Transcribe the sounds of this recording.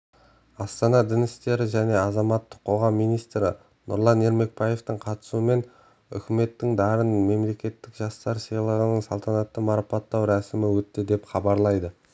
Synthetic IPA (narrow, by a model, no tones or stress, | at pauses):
ɑst̪ɑnɑd̪ɪnɪst̪e̞ɾɪʒæne̞ɑzɑmɑt̪ːə̥qʰo̞ʁɑmːijnijst̪ɾɪ | nʊ̰ɾlˠɑne̞ɾme̞k̚bɑje̞ft̪əɴqʰɑt̪ə̥suəme̞n | ʏ̰kʲɪme̞t̪ːɪŋd̪ɑɾənme̞mle̞kʲe̞t̪ːɪkʒɑst̪ɑɾsijlˠəʁənəɴsɑlˠt̪ʰɑnɑt̪ːəmɑɾɑpɑt̪ːɑwɾæsɪmɪwɵt̪ːɪd̪e̞pχɑbɑɾlˠɑjd̪ə